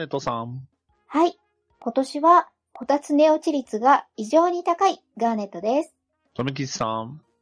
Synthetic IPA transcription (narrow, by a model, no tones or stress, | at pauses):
et̪ːosãŋ | hai | ko̞t̪o̞ɕiβa | ko̞t̪at͡sɨne̞o̞t͡ɕiɾʲit͡sɨɡaiʑo̞ːɲ̟it̪akai | ɡaːne̞t̪ːo̞d̪e̞sɨ̥ | t̪omik̬ʲiɕi̥sãɴ